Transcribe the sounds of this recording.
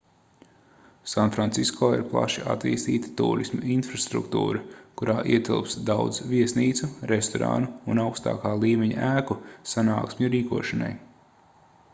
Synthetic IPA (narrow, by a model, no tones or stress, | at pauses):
sanfɾant̪siskʰoːiɾplˠa̰ʃia̰t̪ḭːst̪iːt̪i̥t̪ṵːɾismuinfɾast̪ɾṵkt̪ṵːɾɐkuɾʔaːʔiɛt̪ilˠpsd̪awd̪zviɛsniːt̪suɾest̪ɔɾa̰ːnuːnawkst̪a̰ːkaːlˠiːmeɲa̰ʔæːkusana̰ːksmʲuɾiːkuɔʃana̰j